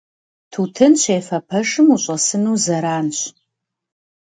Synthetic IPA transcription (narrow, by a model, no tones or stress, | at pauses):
tʰuːtʰɨnɕʰeːfɐpʰɐʂɨmuɕʼɐsɨnuːzɐɾaːnɕ